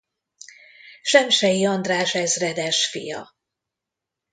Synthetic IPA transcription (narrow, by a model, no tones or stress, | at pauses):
ʃɛmʃɛjiɒnd̪raːʃɛzrɛd̪ɛʃfḭjɒ̰